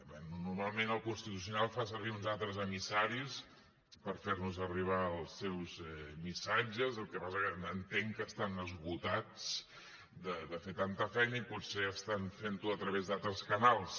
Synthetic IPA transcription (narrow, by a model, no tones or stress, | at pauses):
bɛnunuɾmalˠmenəlˠkunst̪it̪usiunalˠfas̬əɾβiunzalˠt̪ɾəzəmisaɾis | pəɾfernuzəriβ̞aəlˠsewzɛmisad͡ʒəzəlˠkɛpasəkəənt̪eŋkəst̪anəzβut̪at͡s | d̪əd̪əfet̪ant̪əfɛjnəiputseəst̪anfent̪uət̪ɾəβezðalˠt̪ɾəskənalˠs